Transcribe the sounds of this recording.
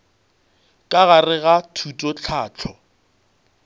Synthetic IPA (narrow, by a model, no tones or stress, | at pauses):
kʼaɣarɪɣatʰutʼɔt͡ɬʰaːt͡ɬʰɔ